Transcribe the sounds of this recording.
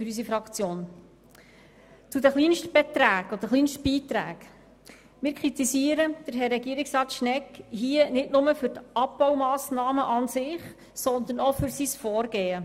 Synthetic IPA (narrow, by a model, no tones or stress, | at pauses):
fɾys̬ifɾɑkt͡sjoːn | t͡sudəχliːnʃtb̥ɛt̪ɾæːɡ̥ɔd̥̪əχliːnʃtb̥iːt̪ɾæ̰ːk | mɪːɾkʰɾit̪isiːəɾəd̪̥əɾɦɛrɛɡiəɾɪksɾɑːtʃnɛkɦiːənɪtnʊməfʏɾtʔɑp̚b̥ɔwmɑːsnɑːməʔɑnsɪχ | sɔnd̪ənɔfʏɾsisfɔːɾɡeːə